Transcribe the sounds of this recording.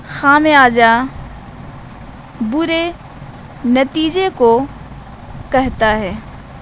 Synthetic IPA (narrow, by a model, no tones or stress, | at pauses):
xaːmeaːd͡ʒa | bʊɾe | nɐt̪iːd͡ʒeko | kɛɦt̪aɦɛː